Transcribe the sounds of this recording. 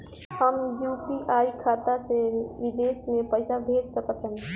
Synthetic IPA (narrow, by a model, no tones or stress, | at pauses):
həmjuːpiʔaːikʰaːt̪aseʋɪd̪eːsmẽpəɪsabʱeːd͡ʒsəkət̪ɦə̃n